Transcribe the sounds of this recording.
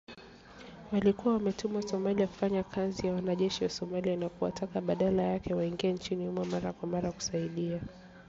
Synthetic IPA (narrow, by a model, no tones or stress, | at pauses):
walikuwawamɛtumasɔmaliaku̥faɲakʰazijawanaʄɛʃiwasɔmalianakuwa̰tʰakaɓaɗalajakɛwaiŋɡiɛnt͡ʃiniumwɛmaɾakwamaɾaku̥saiɗia